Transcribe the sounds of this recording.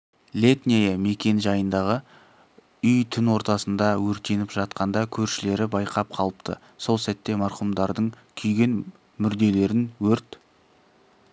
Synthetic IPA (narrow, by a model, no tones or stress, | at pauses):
lʲe̞t̪nʲejame̞kʲe̞nʒɑjənd̪ɑʁə | ʏjt̪ʰʏnwo̞ɾt̪ɑsənd̪ɑwɵɾt̪e̞nɪpʒɑt̪qɑnd̪ɑkʲʰɵɾʃɪle̞ɾɪbɑjqʰɑp̚qʰɑlˠəpt̪ʰə̰ | so̞lˠsæt̪ːe̞mɑɾχumd̪ɑɾd̪əɴ | kʲʰʏjɡʲe̞n | mʏɾd̪e̞le̞ɾɪnwɵɾt̪